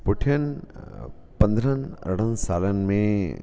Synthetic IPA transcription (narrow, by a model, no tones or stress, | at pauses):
poʈʰijɐn | pɐ̃nd̪ʱɾənə̰ɽənsaːlənmẽ